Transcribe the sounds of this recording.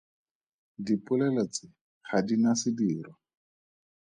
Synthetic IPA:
dipʼʊlɛlɛt͡sɪ | χadinasɪdiːrwa

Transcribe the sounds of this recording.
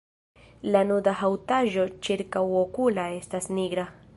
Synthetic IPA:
lanud̪aɦawtaʒo̞t͡ʃiɾkawokulaestasniɡɾa

